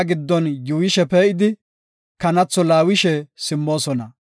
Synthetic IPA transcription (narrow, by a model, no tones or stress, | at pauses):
ɡɪd̪ːɔnjuːwjɪʃɛpeːʔɪd̪ɪ | kɐnɐt͡sːɔlaːwɪʃɛsɪmːo̞ːsɔnɐ